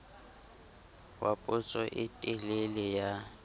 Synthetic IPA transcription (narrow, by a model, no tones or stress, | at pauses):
wapʼʊt͡sʼɔʔɪtʼɪlelɪja